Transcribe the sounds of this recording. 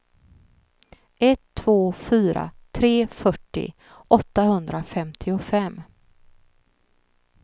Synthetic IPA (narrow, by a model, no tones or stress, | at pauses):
ʔɛt̪ʰːv̥oːfyːɾa̰t̪ʰɾeːfœʈːɪ̰ | ʔɔt̪ːahɵnd̪ɾafɛmt̪ʰɪʊfɛmː